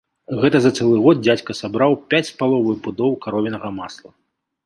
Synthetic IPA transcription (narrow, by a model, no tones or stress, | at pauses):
ɣɛt̪ɐzɐt̪sɛlˠɨɣɔd̪̚d͡zʲat͡sʲkɐsabɾawpʲat͡sʲspalˠɔvɐjubud̪ɔwkaɾɔvʲɛnɐɣɐmaslˠɐ